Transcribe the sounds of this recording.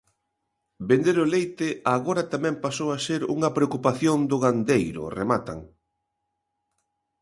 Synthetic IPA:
bend̪eɾʊlejt̪ɪaɣoɾɐt̪amɛ̃mpasowaseɾṵŋɐpɾeokupaθjond̪ʊɣand̪ejɾʊ̰remat̪a̰ŋ

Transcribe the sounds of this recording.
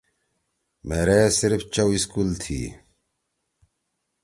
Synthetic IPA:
meːɾeːsiɾft͡ɕɐwiskuːlt̪ʰḭː

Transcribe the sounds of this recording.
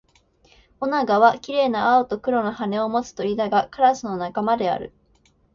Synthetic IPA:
o̞naɡaβakʲiɾe̞ːnaːot̪o̞kɯ̟ɾo̞nahane̞o̞mo̞t͡sɨ̥t̪o̞id̪aɡakaɾasɨno̞nakamad̪e̞a̰ɾɯ̟̰

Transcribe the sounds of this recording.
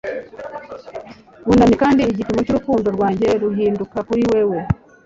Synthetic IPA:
βunaɲikaːndiːɟipimocuɾukuːndo̞ɾɡwaːɲɟe̞ɾuɦiːndukakuɾiwe̞we

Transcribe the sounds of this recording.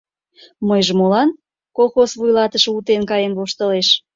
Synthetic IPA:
məjʒemolɑn | kolˠxosβujlɑt̪əʃəut̪enkɑjenβoʃt̪əleʃ

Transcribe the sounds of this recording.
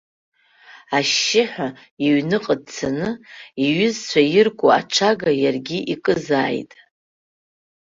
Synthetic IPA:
aʃːɪħʷᶣa | iɥnɨqʼəd̚t͡sʰanɨiɥʏzt͡ɕʷʰajɪrkʷʼoa̰ʈ͡ʂʷʰaɡajarɡʲiʔikʼɨzaːjtʼ

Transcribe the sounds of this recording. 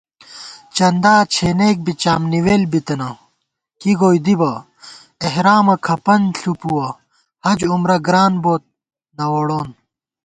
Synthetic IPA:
t͡ɕɐnd̪aːt͡ɕʰeːneːk̚bit͡ɕaːmniweːlbit̪ɐnɐ | kiɡoːjd̪ibɐ | eɦɾaːmɐkʰɐpɐnɬupuwɐ | hɐd͡ʑumɾɐɡɾaːnboːt̪̚ | nɐwoɽoːn

